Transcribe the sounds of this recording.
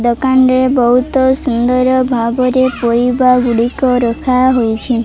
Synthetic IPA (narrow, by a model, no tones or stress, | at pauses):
d̪ɔkanɾebɔɦut̪ɔsund̪ɔɾɔbʱabɔɾepɔɾibaɡuɽikɔɾɔkʰaɦojt͡ʃʰi